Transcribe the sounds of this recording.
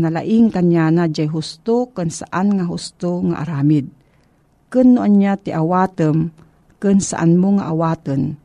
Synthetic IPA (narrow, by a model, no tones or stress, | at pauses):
nala̰ʔɪŋkanjanad͡ʒajɦʊst̪okɨnsaʔanŋaɦʊst̪oŋa̰ʔa̰ɾaːmɪd̪̚ | kɨnːʊʔanjat̪ɪʔawaːt̪əm | kɨnsa̰ʔanmʊŋaʔawaːt̪ən